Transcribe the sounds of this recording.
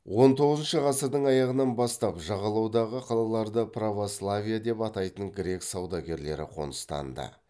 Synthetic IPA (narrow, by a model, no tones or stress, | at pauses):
wo̞nt̪ʰo̞ʁəzənʃəqɑsəɾd̪əɴɑjɑʁənɑnbɑst̪ɑpʒɑʁɑlˠɑwd̪ɑʁəqʰɑlˠɑlˠɑɾd̪əpʰravo̞slˠavʲijad̪e̞pɑt̪ɑjt̪əŋɡɾe̞ksɑwd̪ɑɡʲe̞ɾle̞̰ɾɪ̰qʰo̞̰nəst̪ɑ̰nd̪ə̰